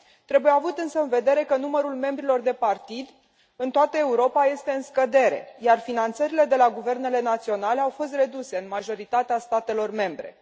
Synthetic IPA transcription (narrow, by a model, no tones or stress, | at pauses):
t̪ɾe̞buje̞avut̪ɨnsəɨnve̞d̪e̞ɾe̞kənuməɾulme̞mbɾilo̞rd̪e̞part̪id̪ | ɨnt̪oat̪əe̞uɾo̞paje̞st̪e̞ɨnskəd̪e̞ɾe̞̰jarfinant̪səɾile̞d̪e̞laɡuve̞rne̞le̞nat̪sio̞nale̞awfo̞s̬t̪re̞d̪use̞ɨnmaʒo̞ɾit̪at̪east̪at̪e̞lo̞rme̞mbɾe̞̰